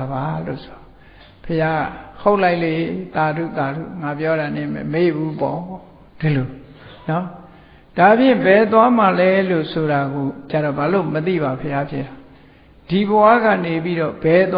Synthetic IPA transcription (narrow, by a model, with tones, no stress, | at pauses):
ba˨lo̰˦˨ʔsʰo˨ɔ˨ | pʰəja˦˨ho˦ʊʔla˦ɪʔle˦˨t̪a˨dṵ˦˨t̪a˨ɾṵ˦˨ŋa˨pjɔ˦ɾa˨nɪ̰̃˦˨mɛ̰˨məe˦˨bu˦pɔ˦ | d̥i˨lo˨ | nɔ˦ | d̥a˨pjɪ̃˦˨bɛ˨t̪̬wa˦ma˨lɛ˦lo̰˦˨sʰo˨ɾa˨ɡo˨t͡ɕa˦˨ɾɔ˨ba˨lo˦˨mət̪ḭ˦˨βa˨pʰəja˦pʰjɪ̰˦˨a˨ | d̥i˨bəwä̰˦˨ɡä̰˦˨ne˨p̬i˦ɾɔ˦˨bɛ˨t̪w